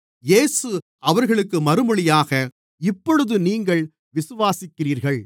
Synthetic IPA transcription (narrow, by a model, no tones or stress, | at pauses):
jeːsɯ | ɐʋɐɾɣɐɭɯkːɯmɐɾɯmɐɭɪjaːɣɐ | ɪpːɔɻɯðɯniːŋɡɐɭ | ʋɪsɯʋaːsɪkːɪɾiːɾɣɐɭ